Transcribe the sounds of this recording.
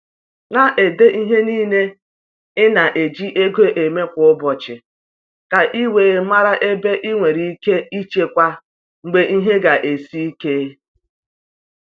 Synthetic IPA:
na˦ʔe˨de˦ʔi˦ɦe˦niː˦ne˦ | ɪ˦na˨ʔe˨d͡ʒi˦ʔe˦ɡe˦ʔe˨me˦kʷʊ˨ʊ˦bɔ˨t͡ʃɪ˨ | ka˨ʔi˦weː˨ma˦ɾa˦ʔe˦be˦ʔi˦ŋʷe˨ɾi˨i˦ke˦i˦t͡ʃe˦kʷa˦ | ŋ͡m̩˨ɡ͡be˦ʔi˦ɦe˦ɡa˨ʔe˨si˦i˦ke˦

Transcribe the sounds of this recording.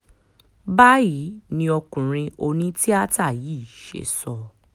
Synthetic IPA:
ba˦ji˨˦nĩ˧ɔ˧kũ˨ɾ̃ĩ˧o˧nĩ˨˦ti˦a˦ta˦˨jiː˦˨ʃḛ˨sɔ˧˨

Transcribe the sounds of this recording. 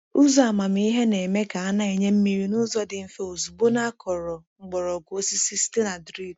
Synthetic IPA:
u˦zɔ˨a˨ma˨m˦i˦ɦe˦ne˨me˦ka˨a˦na˦e˨ɲe˦m̩˦mi˦˨ɾi˨nʊ˦zɔ˦dɪ˨m̩˨fe˦o˨zu˨bo˦na˦kɔ˨ɾɔ˨ŋ͡m̩˦ɡ͡bɔ˨ɾɔ˨ɡo˦si˦si˦ste˦na˨dɾi˦˨d

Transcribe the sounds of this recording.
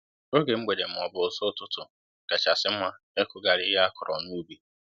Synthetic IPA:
o˦ɡe˨ŋ͡m̩˦ɡ͡be˨de˨m̩˨ɔ˨bʊ˨so˦tʊ˦tʊ˨ | ka˨t͡ʃa˨sɪ˨m̩˦ma˦ | e˦kʊ˦ɡa˨ɾɪ˦ɪ˦ɦa˦a˦kʊ˨ɾʔɔ̰˨nu˦bi˦

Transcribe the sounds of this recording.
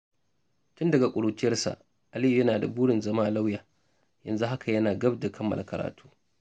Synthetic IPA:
tʊ˦ndɐ˨ɡa˨kʷʼʊ˨ɽoː˨t͡ʃɪ˦jɐ˦rsa̰˨ʔ | ʔa˨li˦ju˨jɐ˦naː˨da˨buː˦ɽɪ˨nzɐ˦maː˦la˦wjaː˨ | jɐ̰˨nzu˦ɦa˦kʰa˨jɐ˦naː˨ɡɐ˦bda˨kʰɐ˦mːɐ˨lʔa˨kɐ˨ɾʔa̰ː˨tʰu̥ː˦

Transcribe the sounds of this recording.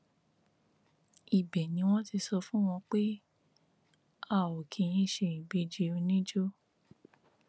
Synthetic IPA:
i˨bɛ˨nĩ˧˦w̃ɔ̃˦ti˧sɔ˧fũ˦w̃ɔ̃˧k͡pe˦ | a˦˨o˨kʰĩ˨˧ĩ˦ʃe˧˨ĩ˨be˧˦d͡ʒe˧o˧nĩ˦d͡ʒo˦

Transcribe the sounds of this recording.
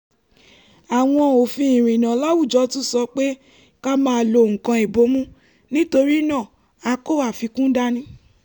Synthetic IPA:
a˨w̃ɔ̃˧o˨fĩ˧˦ĩ˨ɾ̃ĩ˨nã˨˦la˦wu˦˨d͡ʒɔ˨˦tũ˦sɔ˧k͡pe˦ | ka˦mãː˦˧˨lo˧˨ŋ̩̃˨kã˧e˨bo˨˦mũ˦ | nĩ˦to˧ɾi˦nã˦˨ | a˧ko˦˨a˦˨fi˧kũ˦da˦nĩ˦

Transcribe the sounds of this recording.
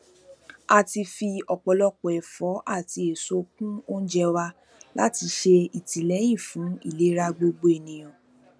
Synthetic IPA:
a˧ti˧fi˧ɔ˨k͡pɔ˨lɔ˧k͡pɔ˨ɛ˨fɔ˨˦ʔa˦˨ti˧e˨so˧˦kũ˦o˦n̩˦d͡ʒɛ˧wa˧ | la̰˦ti˧ʃe˧i˨ti˨lɛ˨˦j̃ĩ˦˨fũ˨˦ḭ˦˨le˨˦ɾa˧ɡ͡bo˧ɡ͡bo˦e˨nĩ˨j̃ɔ̃˨

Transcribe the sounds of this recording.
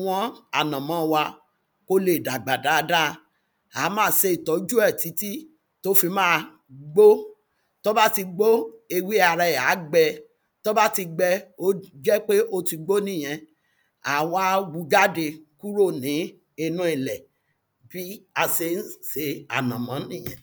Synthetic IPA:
w̃ɔ̃˦a˨nã˨mɔ̃˨˦wa˧ | ko˦le˨da˨ɡ͡ba˨da˨˦˧da˦ | a˨˦mãː˦˨se˧i˨tɔ˨˦d͡ʒu˦ɛ˦˨ti˨˦ti˦ | to˦fi˧mãː˦˧ | ɡ͡bo˦ | to˦ba˦ti˧ɡ͡bo˦e˧wi˦a˨ɾa˧˨a˨˦ɡ͡bɛ˧ | to˦ba˦ti˧ɡ͡bɛ˧o˦d͡ʒɛ˦k͡pe˦ʔo˦ti˧ɡ͡bo˦nĩ˦˨j̃ɛ̃˧ | a˨wa˦wu˧˦ɡa˦de˧ku˦ɾo˦˨nĩ˨˦ | i˧nũ˦i˨lɛ˨ | b̥i˦a˧se˧˦n̩˦se˨˦a̰˨nã˨mã˨˦nĩ˦˨j̃ɛ̰̃˨

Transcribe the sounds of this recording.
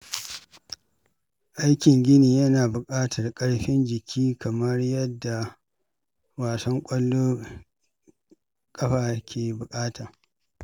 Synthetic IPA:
ʔa˦jkʲɪ˨ŋɡʲɪ˦niː˨jɐ˦naː˨bʊ˨kʼaː˦tʰɐ˨rkʼɐ˦ɽɸɪ˦nd͡ʒɪ˨kʲʰiː˦kʰɐ˨mɐ˦rjɐ˦dːa˨ | waː˨sɐ˦ŋkʷʼɐ˦lːoː˦ | kʼɐ˦ɸaː˨kʲʰeː˨bʊ˨kʼaː˦tʰaː˨

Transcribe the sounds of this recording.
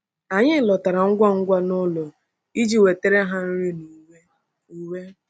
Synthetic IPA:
a˨ɲɪ˦˨lɔ˨ta˨ɾa˨ŋ̩˦ɡʷa˦ŋ̩˦ɡʷa˦nʊ˦lɔ˨ | i˦d͡ʒi˦we˨te˦ɾe˦ɦa˦n̩˦ɾi˦nu˨˦ | i˨we˦

